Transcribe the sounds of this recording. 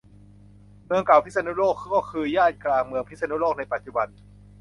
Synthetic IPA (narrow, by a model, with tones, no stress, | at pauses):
mɯ˧əŋka˨˩wpʰi˦˥sa˧nu˦˥loː˥˩kːɔː˥˩kʰɯː˧jaː˥˩t̪̚klaː˧ŋmɯ˧əŋpʰi˦˥sa˧nu˦˥loː˥˩k̚na˧jpa˨˩t̪̚t͡ɕu˨˩ba˧n